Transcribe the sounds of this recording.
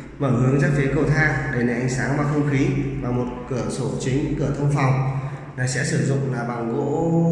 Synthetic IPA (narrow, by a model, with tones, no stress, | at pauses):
məː˧˩hɨ˨˦əŋzaː˦˥k̚fi˨˦kə˨˧˩wt̪ʰaː˧ɗe˧˩ne˨˩ʔa˨˦jŋ̟saː˨˦ŋmaː˧˩xə˧wŋ͡mxi˨˦maː˨˩mo˨˩t̚kɨ˧˩əso˧˩t͡ɕï˨˦ŋ̟kɨ˧˩ət̪ʰə˧wŋ͡mfa˨˩wŋ͡mnaː˨˩sɛ̰˧˥sɨ˧˩zʊ̰˧˨ŋ͡mlaː˨˩ɓa˨˩ŋɣo̰˧˥